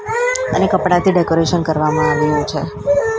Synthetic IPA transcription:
ə̰nekəpɽat̪ʰiɖekoɾeʃənkəɾʋamãaʋiɾəjũt͡ʃʰe

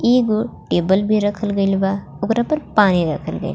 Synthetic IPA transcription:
iːɡuʈeːbəlbʱiɾɐkʰəlɡɐjlba | ʊɡɾapɐɾpaːniɾɐ̰kʰəlɡɐ̰jl

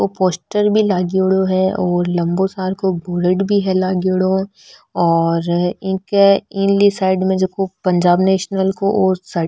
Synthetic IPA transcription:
opoːsʈəɾbʱilaːɡiʊɽoɦɛɔːɾlɐ̃mbosaːɾkobʊɾəʈbʱiɦɛlaːɡiʊɽo | ɔːɾɪ̃ːkeɪnlisaːɪɖmẽd͡ʒoːkopɐ̃ɲd͡ʒaːbneːʃnəlkoosɐ

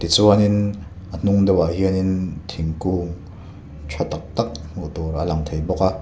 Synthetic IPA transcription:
t̪it͡suɐnin | ʔən̥uŋd̪ɐwaɦiənint̪ʰiŋkuːŋ | t͡ɕʰɔt̪ːak̚t̪ɐk̚muʔt̪uɾʔəlɐŋt̪ʰejbɔka

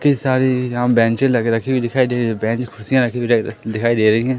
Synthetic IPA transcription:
kisaːɾiːãːbɛ̃ːɲt͡ʃẽləɡɾəkʰibid̪ɪkʰaːid̪eːɾẽbɛ̃ːt͡ʃkʰʊsijãːɾəkʰːiːbiɾd̪ɪkʰaːiːd̪eːɾəiːɦɛ̃ː

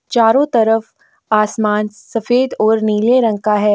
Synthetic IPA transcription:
t͡ʃaːɾõt̪ɐɾəf | aːsmaːnsɐfeːd̪ɔːɾniːleɾɐ̃ŋkaɦɛː

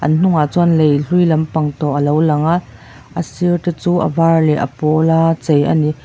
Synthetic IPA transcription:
ʔɐ̰nn̥ʊŋat͡suənlejɬujlɐmpɐŋt̪ɔʔɐlowlɐŋaʔ | ʔəsirt̪et͡suːʔə̰vaːrlɛʔə̰pɔlat͡sejʔa̰ni

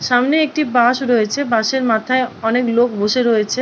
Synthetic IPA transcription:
ʃamneek̚ʈibaʃɾojet͡ɕʰebaʃeɾmat̪ʰaeɔneklokboʃeɾojet͡ɕʰe

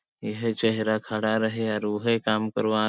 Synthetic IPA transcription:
jəɦt͡ʃɛɦɾakʰaɽaɾəɦeaɾʊɦekaːmkəɾʋaː

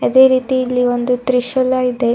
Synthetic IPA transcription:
ɐd̪e̞ːɾiːt̪iilːiond̪ut̪ɾiʃɐlaːjid̪e

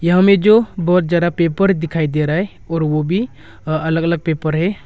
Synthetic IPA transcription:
jɐɦãmẽd͡ʒobɔːt̪̚d͡ʒaːd̪apeːpəɾd̪ɪkʰaːid̪eɾaːɦe | ɔːɾʋobʱi | ɐləɡɐləɡ̚peːpəɾɦɛː

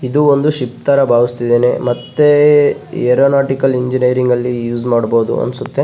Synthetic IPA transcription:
id̪uond̪uʃipt̪aːɾɐbʱaːʋist̪id̪eːnemɐt̪ːe̞ | eɾoːnaːʈikɐliɲd͡ʒiniɾiŋɡɐlːijuːzmaːɖboːd̪ṵɐ̰nsut̪ːe̞

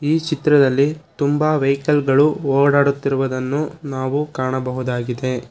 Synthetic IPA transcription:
iːt͡ʃit̪ɾɐd̪ɐlːit̪umbaʋɐjkɐlɡɐɭuoːɽaːɽut̪ːiɾuʋɐd̪ɐnːunaːʋukaːɳɐbɐɦud̪aːɡid̪e̞

